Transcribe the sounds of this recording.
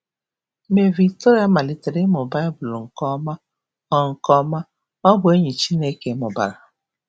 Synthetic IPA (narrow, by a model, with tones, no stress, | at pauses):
me˨vi˨k̚to˦ɾja˦ma˨lɪ˨te˨ɾe˦mʊ˨ba˦ɪ˦bʊ˨lŋ̩˨kɔ˦ma˦ | ɔ˦ŋ̩˨kɔ˦ma˦ | ɔ˦bʊ˨e˦ɲi˨t͡ʃi˦ne˦ke˨˦mʊ˨ba̰˨ɾa˨